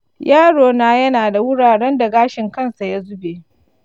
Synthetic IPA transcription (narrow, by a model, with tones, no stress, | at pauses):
jaː˦ɽoː˨naː˦jɐ˦naː˨da˨wʊ˦ɽaː˨ɽɛ˦nda˨ɡaː˦ʃɪ˨ŋkɐ˦nsa˨ja˦zʊ˦beː˨